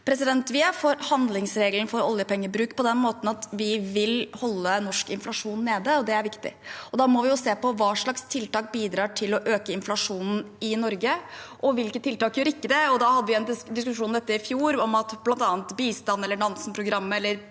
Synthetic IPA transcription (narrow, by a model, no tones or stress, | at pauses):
pʰɾɛsɪd̪ɛnt̪ʋɪfoːɾhɑnd̪lɪŋsɾeːɡlənfɔɾɔ̰ljəpɛŋːəbɾʉːkpʰɔd̪ɛnmoːt̪n̩ɑt̪ʋɪʋɪlhɔlːənɔʂkɪnflɑʂuːnːeːd̪əɔd̪ɛæɾʋɪkt̪ɪ̰ɔd̪ɑːmɔʋɪjʊseːpɔʋɑːʂɭɑkst̪ʰɪlt̪ɑːk̚biːd̪ɾɑːʈʰɪlɔʔøːkəɪnflɑʂuːnn̩ɪnɔɾɡəʔɔʋɪlkət̪ʰːɪlt̪ɑːkjʉɾɪkːəd̪ɛɔd̪ɑhɑd̪ːəʋɪɛnd̪ɪskʉʂuːnd̪ɛt̪ːəɪfjuːɾɔmɑt̪blɑnt̪ɑːnt̪biːst̪ɑnːɛlːəɳɑnsnpʰɾʊɡɾɑmːəɛlːəɾ